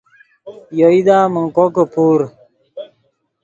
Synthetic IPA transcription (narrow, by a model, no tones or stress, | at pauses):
joid̪aːməŋkokəpuːɾ